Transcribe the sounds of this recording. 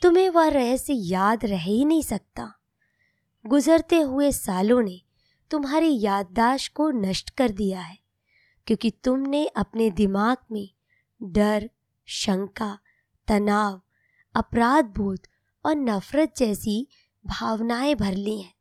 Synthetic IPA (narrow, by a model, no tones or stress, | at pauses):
t̪ʊmẽʋɐɾɛɦsejaːd̪ɾɛɦinɐɦĩsɐk̚t̪aː | ɡʊzəɾt̪eɦʊesaːlõne | t̪ʊmɦaːɾejaːd̪̚ːaːʃkonɐʃʈkɐɾd̪ijaɦɛː | kjõːkit̪ʊmneʔɐpned̪ɪmaːɡ̚mẽ | ɖɐɾ | ʃɐ̃ŋka | t̪ɐnaːʋ | ɐpɾaːd̪̚bʱuːt̪ | ɔːɾnɐfɾət̪̚d͡ʒɛːsi | bʱaːʋnaːẽbʱɐɾliɦɛ̃ː